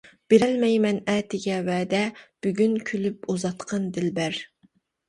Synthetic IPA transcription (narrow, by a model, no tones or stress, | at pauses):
b̥eɾɛlmɛjmɛnɛːt̪ʰɪɡʲɛwɛːd̪ɛb̥yɡʲynkʲʰylypuzɑt̪qʰɑnd̪ɪlbæɾ